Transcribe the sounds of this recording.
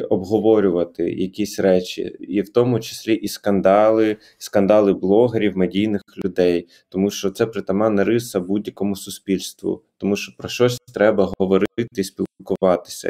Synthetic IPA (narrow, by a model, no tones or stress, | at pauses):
ɔbɦɔʋɔɾʲʊʋɐt̪ɪ̰jɐkʲisʲɾɛt͡ʃʲḭiwt̪ɔmʊt͡ʃɪ̥sʲlʲiʔiskɐnd̪ɑlˠɪ | skɐnd̪ɑlˠɪblˠɔɦeɾʲiwmedʲijnɪxlʲʊd̪ɛj | t̪ɔmuʃt͡ʃɔt̪sɛpɾɪt̪ɐmɑnɐɾɪsɐbudʲjɐkɔmʊsʊsʲpʲilʲst̪ʋʊ̰t̪ɔmuʃt͡ʃɔ̥pɾɔʃt͡ʃɔsʲt̪ɾɛbɐɦɔʋɔɾɪt̪ɪsʲpʲilˠkʊʋɑt̪ɪ̥sʲɐ̰